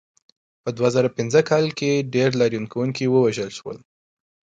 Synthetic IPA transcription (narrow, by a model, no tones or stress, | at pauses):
pəd̪wazaɾapɪnzəkʰɑlkeɖeɾlɑɾjunkawuŋkiwəwaʒəlʃwə̰l